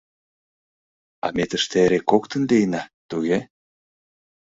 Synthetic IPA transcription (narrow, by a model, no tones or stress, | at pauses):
ɑ̰met̪əʃt̪eɾekːokt̪ə̆nlejnɑt̪uɣe